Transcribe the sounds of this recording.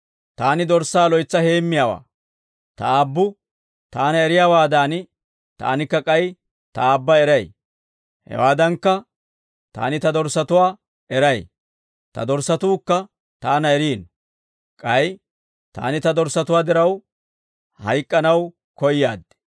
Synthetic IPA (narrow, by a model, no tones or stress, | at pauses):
t̪aːnɪd̪ɔɾsaːlɔjt͡sːɐhe̞ːmːɪjaːwa̰ː | t̪ɐ̰aːbːʊ | t̪aːnɐɛɾɪjaːwaːd̪aːn | t̪a̰ːnɪkːɐkʼɐj | t̪ɐaːbːɐɛɾɐj | hɛ̰waːd̪ɐŋkːɐ | t̪a̰ːnɪt̪ɐd̪ɔɾsɐt̪ʊwaː | ɛɾɐj | t̪ɐ̰d̪ɔɾsɐt̪uːkːɐ | t̪aːnɐɛɾiːn | kʼɐj | t̪a̰ːnɪt̪ɐd̪ɔɾsɐt̪ʊwaːd̪ɪɾɐw | hɐjkʼːɐnɐw | kɔjːaːd̪ɛ̥